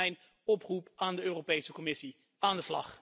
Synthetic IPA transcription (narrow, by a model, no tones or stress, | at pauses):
ɛjn | ɔprupaːndəøːropejsəkɔmɪsi | aːndəslɑ̰χ